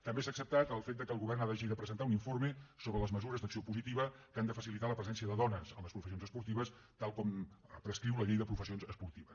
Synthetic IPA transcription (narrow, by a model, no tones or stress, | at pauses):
t̪əmbesaəksəp̚t̪at̪əlˠfet̪̚d̪əkəlɣuβɛrnaðəʒiðəpɾəzənt̪auniɱforməsoβɾələzməzuɾəzd̪əksiopuzit̪iβəkand̪əfəsilit̪aləpɾəzɛnsiəðəðɔnəzənləspɾufəsionzəspuɾt̪iβəst̪alˠkɔmpɾəskɾiwləʎejðəpɾufəsionzəspuɾt̪iβəs